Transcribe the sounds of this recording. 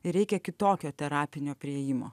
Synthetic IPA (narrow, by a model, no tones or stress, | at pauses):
ɪɾʲɛɪkʲɛkʲɪt̪oːkʲoːt̪ʲɛɾɑːpʲɪnʲoːpʲɾʲɪeːjɪmo̰ː